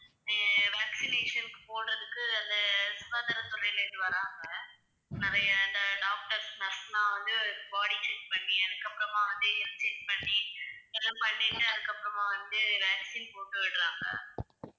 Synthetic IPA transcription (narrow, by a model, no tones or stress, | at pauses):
ʋaːksɪneːʂɐnkːɯ̥poːɽɾɐðɯkːɯɐnd̪ɐsʊðaːd̪ɐɾɐt̪ʊɾɐɪlɪðɯʋɐɾaːŋɡɐ | nɐɾɐjɐɪnd̪ɐɖaːk̚ʈɐɾsnɐsmãːʋɐnd̪ɯbaːɽit͡ʃɛkpɐɳːiɛðɯkːɐpːɯɾɐmãːʋɐnd̪ɯɪlsɛkpɐɳːisɛlpɐɳːiʈːɯɐðɯkːɐpːɯɾɐmãːʋɐnd̪ɯʋaːksiːnpoːʈːɯʋɪɽɾaːŋɡɐ̰